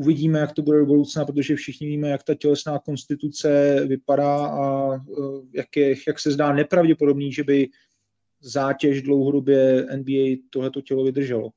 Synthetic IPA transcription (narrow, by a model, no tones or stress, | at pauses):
ʔuvɪɟiːmɛjakt̪o̞budɛdobudɾowt͡snapɾot̪oʒɛfʃɪxɲɪviːmɛjakt̪acɛlɛsnaːko̞nst̪ɪt̪ut͡sɛvɪpadaːʔa | jakjɛjaksɛzdaːnɛpɾavɟɛpo̞do̞bniːʒɛbɪ | zaːcɛʒdlowɦo̞do̞bjɛʔɛnbiːɛjt̪o̞ɦlɛt̪o̞cɛlo̞vɪd̪r̩ʒɛlo